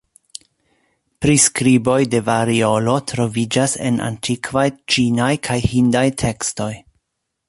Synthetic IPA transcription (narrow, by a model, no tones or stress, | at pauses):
pɾiskɾibo̞jde̞vaɾio̞lo̞tɾo̞vid͡ʒase̞̰nʔa̰ntʰikvajt͡ʃinajkʰajhindajtʰe̞ksto̞j